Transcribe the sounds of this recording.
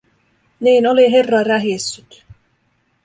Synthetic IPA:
niːnoliɦe̞rːɑræɦisːyt̪

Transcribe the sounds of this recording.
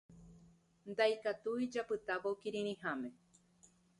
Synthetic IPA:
nd̪ajkat̪uid͡ʒapɨt̪aβokiɾĩɾ̃ĩhamẽ

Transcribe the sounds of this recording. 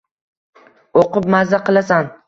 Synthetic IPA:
oqʊp̚mazaqɨlˠasan

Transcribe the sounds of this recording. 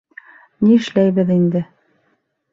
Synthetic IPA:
niɘ̆ʃlæjβɘðind̪ɘ

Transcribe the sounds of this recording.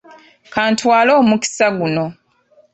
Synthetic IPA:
kaːntwaːlo̞ːmuki̥saɡuno̞

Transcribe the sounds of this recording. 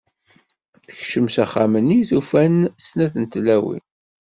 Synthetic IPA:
θə̥çʃəmsæχamənːiθufænsnæθənt̪læwḭn

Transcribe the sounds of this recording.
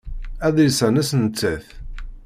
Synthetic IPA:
æðisænæsnət͡sːəθ

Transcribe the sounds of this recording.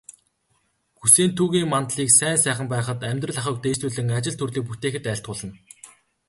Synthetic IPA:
ɡuseːnt̪ʰuːɣiːŋmant̪ɮiːksæːnsæːχə̆mpæːχə̆t̪æmʲt̪rə̆ɮaχə̆k̚t̪eːst̪uːɮɘ̆ŋat͡ɕɪ̆ɮt̪ʰɵrɮiːk̚put̪eːxɘ̆t̪æːɬt̪̚ɢʊːɮə̆n

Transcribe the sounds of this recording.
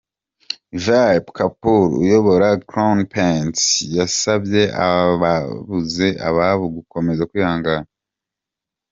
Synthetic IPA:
vapkapuɾṵjo̞βo̞ɾakɾawnpensjasabje̞a̰βaβuze̞ʔa̰βaβuɡuko̞me̞zakujaːŋɡana

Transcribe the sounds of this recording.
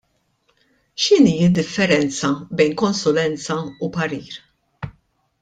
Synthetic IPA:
ʃɪniːɪd̪ːɪfːɛɾɛnt͡sɐbɛjnkɔnsʊlɛnt͡sɐupɐɾiːɾ

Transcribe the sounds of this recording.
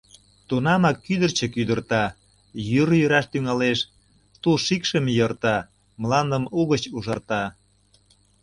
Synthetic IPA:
t̪unɑmɑkːyd̪ərt͡ɕə̆kyd̪ərt̪ɑ | jyɾjəɾɑʃt̪yŋɑleʃ | t̪uʃikʃəmjərt̪ɑ | mlɑnd̪əmuɣət͡ɕuʒɑrt̪ɑ

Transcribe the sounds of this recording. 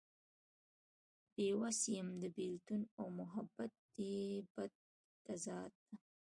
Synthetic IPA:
b̥ewasijəmd̪əbilt̪unawmʊɦabat̪̚d̪eb̥ad̪̚ː | azɑːt̪̚a

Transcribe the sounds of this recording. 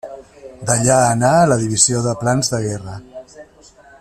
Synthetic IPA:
d̪əʎaənaələðiβ̞izioðəplanzðəɣɛrə

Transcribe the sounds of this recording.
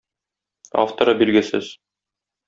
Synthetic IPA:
a̰ft̪ŏɾɑbilɡɘsɘz̥

